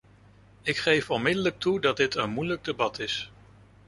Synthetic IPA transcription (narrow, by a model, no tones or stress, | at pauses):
ɪkχejfɔnmɪdələk̚tʰudɑd̚dɪtənmujləɡ̚dəbɑtɪs